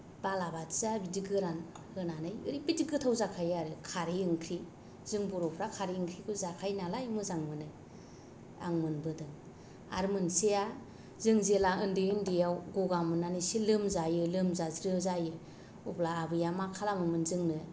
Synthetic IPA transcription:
b̥alabatzabidiɡɯɾan | hɯnanɯjɯ̰ɾibidiɡɯtʰawzakʰajaɾɯkʰaɾijɯŋkʰɾi | zɯŋbɔɾɔpʰɾakʰaɾiɯŋkʰɾikʰuzakʰajnalajmɯzaŋmɯnɯ | a̰ŋmɯnbɯdɯŋ | a̰ɾmɯnseja | zɯŋzelaɯndɯndijawɡoɡamɯnanɯsilɯmzajɯlɯmzazɾɯzajɯ | ublaːbɯjamakʰalamɯmɯnzɯŋnɯ

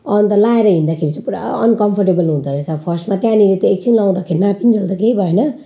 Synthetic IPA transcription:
ʌnt̪ʌlaeɾʌɦĩnd̪akʰeɾit͡sʌ̃puɾa̰ʌ̰nkʌmpʰʌrʈebʌlɦũnt̪ʌɾesʰapʰʌrsmat̪jãnilet̪ʌek̚t͡sʰinlaw̃d̪akʰeɾinapinid͡zʌld̪akeibʱʌenʌ

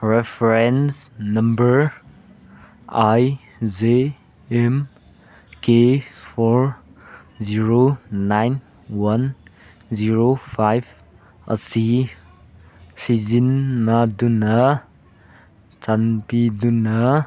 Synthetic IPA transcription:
ɾepʰɾensnɐmbəɾ | aj | ze | em | kepʰɔɾ | ziɾonajn | wan | ziɾopʰajb | ə̰si | sizinːadunɐ | t͡ʃanpiduna

